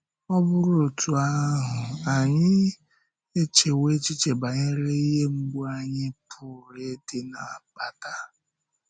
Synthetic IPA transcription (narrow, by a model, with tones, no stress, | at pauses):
ɔ˦bʊ˦ɾo˨tʰu˨a˦ɦʊ˨a˨ɲɪ˦ | e˦t͡ʃe˨we˦t͡ʃi˦t͡ʃe˨ba˨ɲɪ˦ɾe˦i˦ɦe˦ŋ͡m̩˦ɡ͡bu˦a˦ɲɪ˦pʰʊ˨ɾe˨˦dɪ˦na˨pa˨ta˦